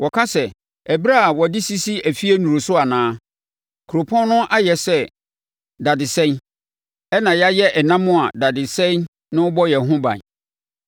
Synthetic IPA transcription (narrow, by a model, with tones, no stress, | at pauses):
wʔɔ˨kʰa˦sɛ˨ | ɛ˨bi˦ɾa˦˨wɔ˨dɪ˦si˦si˦æ˨fi˦æ˦nũ˨ɾo˨sʊ˦a˨nãː˦ | kʰu˨ɾo˨pʰɔ̃˦n˦nʊ̃˦ʔa˦jɛ˨sɛ˦ | da˨dɪ˨sɛ̃˦n | ɛ˦nã˨ja˦jɛ˦ʔɛ˨nã˦mʊ̃˦a˨da˨dɪ˨sɛ̃˦n | nɪ̃˦ʊ˦bɔ˦jɛ˨ɦʊ̃˦bã̰˨n